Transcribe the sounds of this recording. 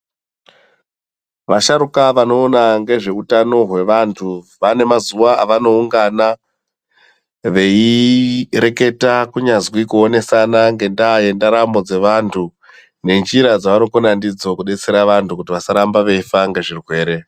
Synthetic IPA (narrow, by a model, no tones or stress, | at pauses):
ʋaʃaɾukaʋano̞ːnaŋɡe̞ʐe̞utano̞ɦwe̞ʋantʰu | ʋane̞mazuʋaaʋano̞uŋɡana | ʋe̞i | ɾe̞ke̞takuɲazwikuone̞sanaŋɡe̞ndaːje̞ndaɾambo̞d͡ze̞ʋantʰu | ne̞nd͡ʒiɾad͡zaʋano̞konandid͡zo̞kuɗe̞t͡seɾaʋantukutiʋasaɾambaʋe̞ifaŋɡe̞ʐirwe̞ːɾe̞